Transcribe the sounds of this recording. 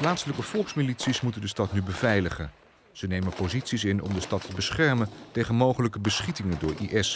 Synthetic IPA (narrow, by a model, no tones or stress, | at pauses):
plaːtsələkəv̥ɔlˠksmilitsismutəndəstɑtnybəvɛjləχən | z̥ənejmənpozitsisɪnɔ̰mdəstɑtʰəbəsχɛɹməntejχənmowχələkəbəsχitɪŋədʊːɹḭʔɛs